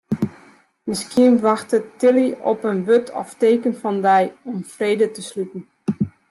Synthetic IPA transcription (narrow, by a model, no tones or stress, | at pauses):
mɪskiənʋaxtətɪliɔpənʋøtʰɔ̰fteːkənfɔndɛjɔmfreːdətəslytn̩